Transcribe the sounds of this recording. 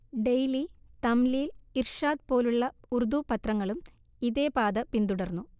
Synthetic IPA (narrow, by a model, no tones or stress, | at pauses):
ɖejlit̪ɐmlijlirʂaːd̪po̞ːluɭːɐurd̪upɐt̪rɐŋːɐɭum | iðe̞ːpaːd̪ɐpind̪uɽɐrnːu